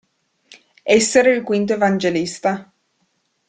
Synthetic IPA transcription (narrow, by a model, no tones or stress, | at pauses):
ɛsːeɾeilkwint̪̬oevand͡ʒelist̪a